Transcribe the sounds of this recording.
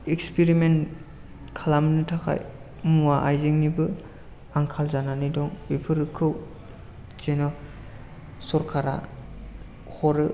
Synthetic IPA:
ekspiɾimen | kʰalamnɯtʰakʰa̰j | muwaʔajzeŋnibɯ | aŋkʰalzananidɔŋbipʰɯɾɯkʰɯw | zenɔ | sɔɾkʰaɾa̰ | hɔɾɯ

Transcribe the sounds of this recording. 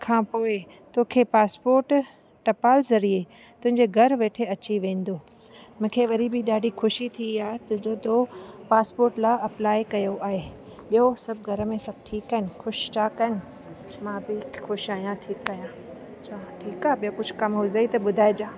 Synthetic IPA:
kʰãːpoːe | t̪oːkʰepaːspoːɾʈ | ʈɐpaːlzɐɾie | t̪ʊ̃ɦɪ̃ɲd͡ʑeɡʱɐɾʋeːʈʰeɐt͡ɕiʋẽːn̆d̪oː | mʊ̃ːkʰeʋɐɾibɪɗaːɖʱixʊʃit̪ʰiaːɦet̪ʊ̃ɦɪ̃d͡ʑot̪opaːspoːɾʈlaɐplaːikɐjoʔaːɦeː | ɓijosɐbʱɡʱɐɾə̆mẽsɐb̚ʈʰiːkːɐnxʊʃt͡ɕʰaːkɐnɪ | mãːbɪxʊʃaːɦijãʈʰiːkːɐijã | t͡ɕaʈʰiːkaːɓijokʊd͡ʑʱʊkɐmɦʊzəit̪ɐɓʊd̪ʱaːed͡ʑãː

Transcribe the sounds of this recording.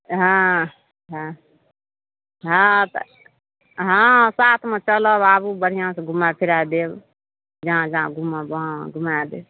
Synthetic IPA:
ɦã | ɦã | ɦãt̪ | ɦãsaːt̪ʰmẽt͡ʃələbabubəɽ̤ijãsẽɡʱumapʰiɾad̪eb | d͡ʒãd͡ʒãɡʱumabãɡʱumad̪eb

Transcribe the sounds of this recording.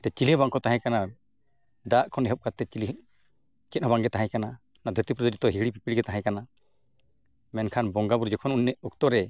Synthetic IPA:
ɾɛt͡ʃilihbaŋkɔt̪aɦãkana | d̪aʔkʰɔnɛɦɔp̚kat̪ːɛt͡ʃiliɦ | t͡ʃɛt̪̚ˀɦɔbaŋɡɛt̪aɦãkana | nad̪ʱɔɾt̪ipɾɔd͡ʒəɾit̪ɔɦiɽipipiɽiɡɛt̪aɦãkana | mɛnkʰanbɔŋɡabuɾd͡ʒɔkʰɔnunːɛukt̪ɔɾɛ

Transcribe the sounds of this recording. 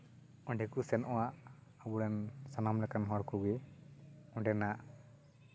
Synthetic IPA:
ɔɳɖɛkusɛnʔɔwaʔabuɽɛnsanamlɛkanɦɔɾkuɡɛ | ɔɳɖɛnaʔ

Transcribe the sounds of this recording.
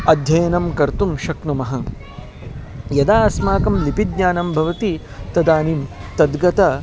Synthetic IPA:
ɐd̪ʱjɐjnɐmkɐɾt̪umʃɐknumɐɦɐ | jɐd̪aːsmaːkɐmlipid̪ɲaːnɐmbʱɐʋɐt̪i | t̪ɐd̪aːnimt̪ɐd̪ɡɐt̪ɐ

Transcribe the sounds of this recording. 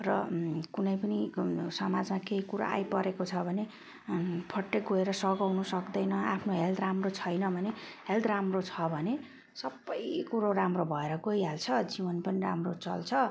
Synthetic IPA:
rʌkunʌjpʌnisʌmad͡zmakeɦikuɾa̰a̰jpʌɾekot͡sʰʌbʱʌne | pʰʌʈːeɡoeɾʌsʌɡawnʌsʌkd̪ʌjnʌapʰnoɦeld̪ramrot͡sʰʌjnʌbʱʌneɦeld̪ramrot͡sʰʌbʱʌne | sʌbːʌjkuɾoɾamrobʱʌeɾʌɡojɦalt͡sʰʌd͡zibʌnpʌniramrot͡sʌ̰lt͡sʰʌ

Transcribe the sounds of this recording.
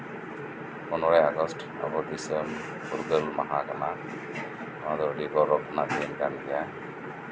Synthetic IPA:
ɔnɔɹajaɡɔsʈ | a̰bɔd̪isəm | uɾɡəlma̰ɦaɡana | amad̪ɔɾɖibɔɾɔpʰnatʰenɡanɡija

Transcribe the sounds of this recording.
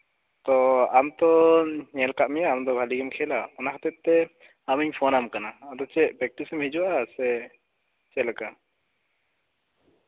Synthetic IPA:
t̪ɔamt̪ɔɲɛlkaʔmɛjaːmd̪ɔbʱaliɡɛmkʰɛlaɔnakʰat̪ɛt̪̚t̪ɛ | amiɲpʰɔnamkanaːd̪ɔt͡ʃɛʔpɾɛk̚ʈisɛmhɛd͡ʒɔasɛ | t͡ʃɛlaka

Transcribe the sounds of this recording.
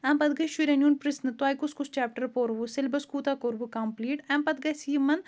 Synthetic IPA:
ɛːmpɐd̪ɡɐjʃiɾenjuːnpɾɪsnɨt̪waːjkuskust͡ʃaːpʈɐɾpoːɾʋusɪlbɐskuːt̪aːkoːɾbukɐmpliːʈɛːmpɐd̪ɡɐjsiːmɐn

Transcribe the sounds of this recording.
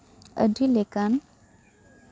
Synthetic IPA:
ə̰ɖʱilekan

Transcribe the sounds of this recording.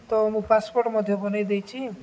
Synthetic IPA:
t̪ɔmũpaspoɾʈmɔd̪ʱjobɔnajd̪ejt͡ʃʰi

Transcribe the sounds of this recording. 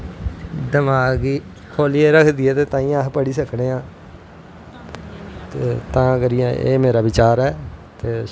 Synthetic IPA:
d̪əmaːɡiː | kʰoːlieːɾəkʰd̪iːɛːt̪eːt̪ãːĩːapəɽiːsəkneːãː | t̪eːt̪ãːɡəɾijãʔḛːmeːɾaːʋɪt͡ʃaːɾɛːt̪eː

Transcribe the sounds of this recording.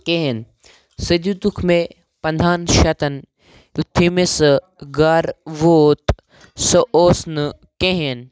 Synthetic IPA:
keɦen | səd̪ut̪ukʰme | pɐnd̪ʱaːnʃɐt̪ɐn | ut̪ʰːimesɐ | ɡaːɾʋoːt̪ | sɐʔoːsnɨ | keɦen

